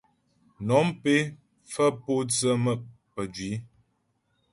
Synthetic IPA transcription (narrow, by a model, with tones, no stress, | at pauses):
nɔ˨˦mpe˦ | fə˦po˦t͡sə˦mə˦˨ʔ | pə˨d͡ʒɥi˨˦